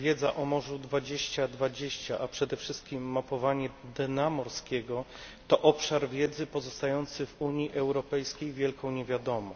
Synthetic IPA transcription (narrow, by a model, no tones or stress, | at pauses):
vʲjɛd̪zaʔɔmɔʐud̪vad͡ʑeɕt͡ɕad̪vad͡ʑeɕt͡ɕaʔapʂɛd̪ɛfʂɘst̪̚kʲimːapɔvaɲɛd̪ɛnamɔɾskʲɛɡɔ | t̪ɔʔɔpʂaɾvʲjɛd̪zɘpɔzɔst̪ajɔnt̪sɘvuɲjiʔɛwɾɔpɛjskʲejvʲjɛlkʰɔ̃w̃ɲɛvʲjad̪ɔmɔ